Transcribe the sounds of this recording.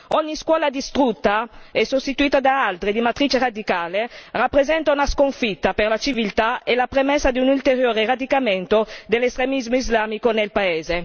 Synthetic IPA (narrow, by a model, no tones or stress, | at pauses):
ɔɲːiskwɔːlad̪ist̪ɾut̪ːaɛsːost̪it̪uiːt̪ad̪aalt̪ɾed̪imat̪ɾit͡ʃeɾad̪ikaːlerapːɾezɛnt̪aunaskoɱfit̪ːaperɾlat͡ʃivilt̪aelapɾemɛsːad̪iunult̪eɾjoːɾerad̪ikamɛnt̪od̪elest̪ɾemizmoizlaːmikonelpaɛːze